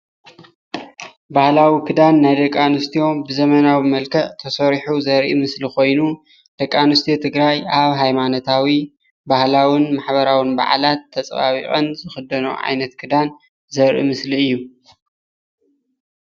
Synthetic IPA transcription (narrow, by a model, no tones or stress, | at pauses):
bahlawikʰɨd̪anːajd̪ɐkʼːanɨst̪ʰio̞bɨzɐmɐnawimɐlkʰɐʔt̪ʰɐsɐɾħuzɐɾʔḭmɨsliko̞jnu | d̪̥ɐkʼːanɨst̪ʰijot̪ʰɨɡɾajʔaβɦajmanot̪ʰawi | bahlawɨnmaħbɐɾawɨnba̰ʕa̰lat̪ʰːɐt͡sʼβa̰βḭχʼɐnzɨxɨd̪ɐno̰ʕa̰jnɐt̪kʰɨd̪an | zɐɾʔḭmɨsliɨjːu